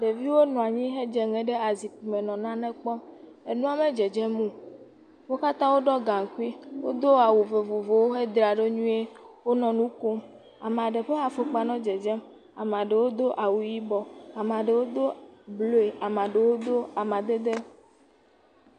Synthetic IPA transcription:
ɖe˨vi˦wo˦nɔ̃˨a˨ɲĩ˦ɦe˦d͡ʒɛ˨ŋɛ̃˨ɖe˦a˨zi˨pu˨mẽ˨nɔ̃˨nã˦nɛ̃˦k͡pɔ˦m | e˨nũ˦a˦me˦d͡ʒe˨d͡ʒɛ˦mũ˦ | wo˦ka˦t̪ã˦wo˦ɖɔ˦ɡã˨ŋ˨ku˦i˦wo˦d̪o˦a˨wu˨ve˨vo˨vo˨wo˦ɦe˦d̪ɾa˨ɖe˦ɲũ˦e˦wo˦nɔ̃˨nũ˦ko˦m | a˨m˨a˨ɖe˨ɸe˦a˨fo˦k͡pa˨nɔ̃˦d͡ʒɛ˨d͡ʒɛ˦m | a̰˨m˨ã˨ɖe˨wo˦d̪o˦ʔa˨wu˨ji˦bɔ˦a˨m˨ã˨ɖe˨wo˦d̪o˦blo˦e˨ʔa˨mã˨ɖe˨wo˦d̪o˦a˨mã˨d̪e˦d̪e˦

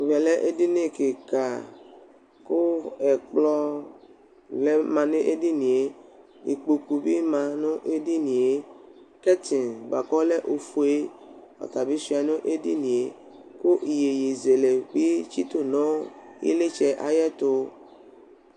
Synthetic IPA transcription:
vɛ˨lɛ˦ʔe˦di˦ne˦˨ke˨ka˨ | kʊ˦ɛ˨k͡plɔ˦ | lɛ˦mã˨nẽ˦ʔe˦di˦nĩ˨e˨˦ | ḭ˨k͡po˨ku˨bi˦mã˨nʊ̃˦ʔe˦di˦nĩ˨e˨ | kɛ˦ti˨nɡ͡ba˨kɔ˦lɛ˦ʔo˨fu˨e˦ɔ̰˨t̪a˨bi˦si˦a˨nʊ̃˦ʔe˦dḭ˦nĩ˨e˨ | kʊ˦ʔi˨je˨je˨ze˨le˨ɡ͡bi˦t͡ʃi˦t̪o˨nɔ̃˦jḭ˦le˦t͡ʃɛ˦˨ʔa˨jɛ˦t̪ʊ˦

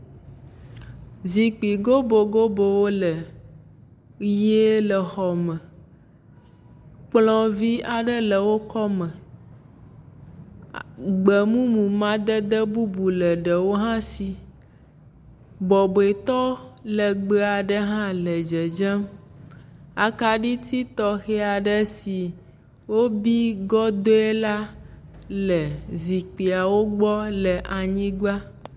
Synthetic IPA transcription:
zi˨k͡pi˨ɡo˦bo˨ɡo˦bo˨wo˦lə˨ | je˦lə˨xɔ˨mə̃˨ | k͡plɔ̃˦vi˦a˨ɖə˦lə˨wo˦kɔ˦mə̃˨ | ɡ͡bə˨mũ˦mũ˨mã˦d̪ə˦d̪ə˦bu˦bu˨lə˨ɖə˨wo˦ɦã˦si˨ | bɔ˨bo˨e˨t̪ɔ˦lə˨ɡ͡be˦a˨ɖə˦ɦã˦lə˨d͡ʒe˨d͡ʒɛ˦m | a˨ka˨ɖi˦t̪i˦t̪ɔ˦xɛ˦a˨ɖə˦si˨ | wo˦bi˦ɡɔ˦d̪o˦e˦la˦ | lə˨zi˨k͡pi˨a˨wo˦ɡ͡bɔ˦lə˨ʔa˨ɲĩ˦ɡa˦

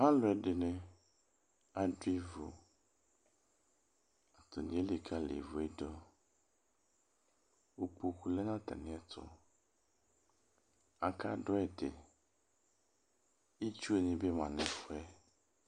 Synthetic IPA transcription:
mã˦lʊ˨ɛ˨dɪ˨nɛ̃˨ | a˨dwi˦vo˨ | a˨t̪ʊ˨nɪ̃˨˦e˦li˨kʰa˦lḛ˨vo˨ɛ˦dɔ˦ | wo˨k͡po˨ku˨lɛ˦nã˦t̪ʰa̰˨nɪ̃˨˦ɛ˦t̪ʰʊ̰˨ | a˨kʰa˦dʊ˦ɛ˨dɪ̰˨ | i˦t͡ʃu˦o˨ɲĩ˨be˦mã̰˨nɪ̃˨fʊ˦ɛ˦

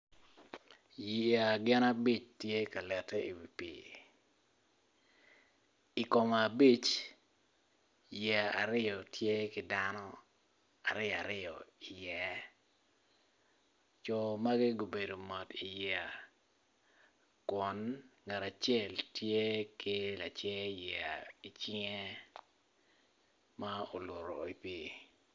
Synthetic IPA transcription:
jia˨ɡɪ˦na˦bi˦t͡ʃtje˦ka˨lɛ˨tɛ˦ḭ˨wi˨pḭ˨ | i˨kɔ˨m˨a˨bi˦t͡ʃ | jɛ˨a˨ɾɪ˦jɔ˨tje˦kɪ˨danɔ˦ | a̰˨ɾɪ˦˨a˨ɾɪ˦jɔ˨i˨jɛ˨ | t͡ʃɔ˨ma˦ɡɪ˦ɡo˨be˨do˨mɔ˨ti˨jaa˨ | kɔ˨nŋa˨ɾa˨t͡ʃɛ˦˨ltje˦ki˦la̰˨t͡ʃɛ˦ja˨i˨t͡ʃɪ˦ŋɛ˦ | ma˦o˨lo˨ɾo˨i˨pi˦

